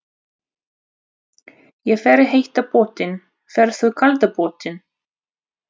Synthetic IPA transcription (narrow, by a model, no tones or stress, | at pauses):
jɛɣfɛːɾɪɦejht̪apɔːt̪ɪn | fɛːɾθœðkʰalt̪apɔːt̪ɪn